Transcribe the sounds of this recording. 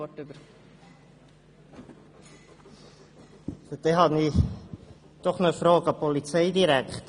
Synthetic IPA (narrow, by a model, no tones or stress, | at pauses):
ɔtybəɾ | fəd̥̪eɦɑni | d̥ɔχnofɾoːɡɑpɔlit͡sɛɪdiɾækχt